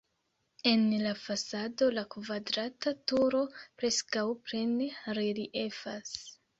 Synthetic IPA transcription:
e̞nlafasado̞lakvadɾatatuɾo̞pɾe̞skawpɾenɾeliʔe̞fas

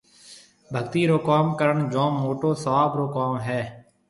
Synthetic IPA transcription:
bʱəɡ̚t̪iːɾoːkaːmkəɾəɳd͡ʒõːmːoːʈoːsəʋaːbɾoːkaːmɦɛː

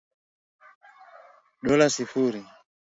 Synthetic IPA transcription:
ɗɔlasifuɾi

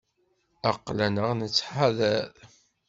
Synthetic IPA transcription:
ɑqːlænəʁnət͡sːħaðæð

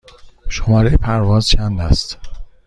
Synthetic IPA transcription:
ʃomɒːɾejepʰæɾvɒːzt͡ʃʰænd̪æst̪

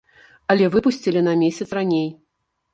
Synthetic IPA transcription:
ɐlʲɛvɨpusʲt͡sʲilʲinɐmʲesʲɐt̪sranʲej

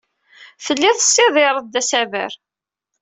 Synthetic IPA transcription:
fəlːiθə̥sːɪðˤɪɾˤəd̪æsævə̰ɾ

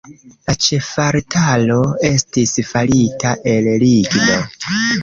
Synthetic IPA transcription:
lat͡ʃe̞faɾtʰalo̞e̞stisfaɾitaʔe̞lɾiɡno̞

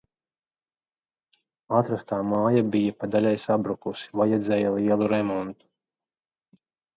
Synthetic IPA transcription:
at̪ɾast̪aːmaːjabijapad̪alʲɛjsabɾukusi̥vajɛd̪zʲɛjalˠiɛlˠuɾɛmɔnt̪u̥

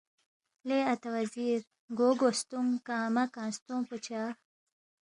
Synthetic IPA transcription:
leɐt̪ɐwɐziːɾ | ɡoːɡost̪uŋkɑːmɐkɑ̃ːnst̪ũput͡ɕaː

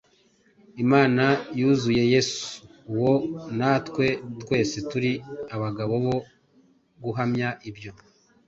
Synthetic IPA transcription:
imaːnajuːzuje̞je̞su̥ːwo̞natkwe̞twe̞ːse̞tuɾiaβaɡaβo̞βo̞ | ɡuɦamɲaʔibjo̞

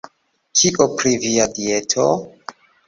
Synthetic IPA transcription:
kʰiʔopɾiviadietʰo

